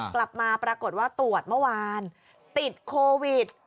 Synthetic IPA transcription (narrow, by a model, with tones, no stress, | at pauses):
kla˨˩p̚maː˧pɾaː˧ko˨˩t̪̚waː˥˩t̪u˨˩ət̪̚mɯ˥˩waː˧n | t̪i˨˩t̪̚kʰoː˧wi˨˩t̪̚